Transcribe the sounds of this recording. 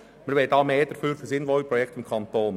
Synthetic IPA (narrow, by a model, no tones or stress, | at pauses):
məɾʋɛdɑːmeːd̥̪əɾfyːɾfəsɪnʋɔipɾɔjɛkʰtɪmkʰɑnt̪oːn